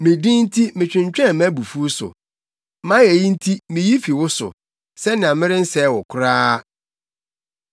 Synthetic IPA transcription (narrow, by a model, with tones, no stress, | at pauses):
mɪ̃˨dĩ˦n̩˦tʰi˦mɪ̃˨t͡ɕᶣɪ̃˨ɲ˨t͡ɕᶣɛ̃˦˨mæ̃˦bu˨fu˦sʊ̰˨ | mã˦jɛ˨ji˦n̩˦tʰi˦mɪ̃˨ji˦fi˨wʊ˦sʊ̰˨ | sɛ˦nɪ̃˨ã˨mɪ̃˦ɾɪ̃˦n̩˦sɛ˦˨wɔ˨kʰʊ˦ɾaː˦